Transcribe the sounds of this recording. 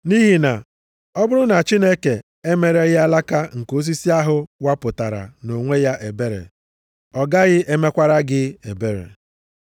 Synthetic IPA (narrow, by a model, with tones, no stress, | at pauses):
ni˦ɦi˨na˨ | ɔ˦bʊ˦ɾʊ˦na˨t͡ʃi˦ne˦ke˨ | e˦me˨ɾe˦ɣɪ˦a˦la˦ka˦ŋ̩˨ko˦s̬i˦si˦a˦ɦʊ˦wa˦pʊ˨ta˨ɾa̰˨no˨ŋʷe˦ja˦ʔe˨be˦ɾḛ˨ | ɔ˨ɡa˦ɣɪ˦ʔe˦me˦kʷa˦ɾa˦ɡɪ˦e˨be˦ɾḛ˨